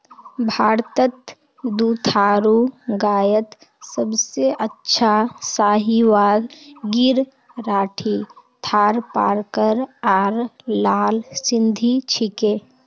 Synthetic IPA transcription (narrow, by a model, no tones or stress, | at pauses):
bʱaːɾt̪ət̪ | d̪uːt̪ʰaːɾuɡaːjət̪ | səbseʔətːʃʰasaːɦiʋaːdɡɪɾ | ɾaːʈʰit̪ʰaːɾpa̰ːɾkəɾaːɾlaːlsɪ̃nd̪ʱit͡ʃʰɪkeː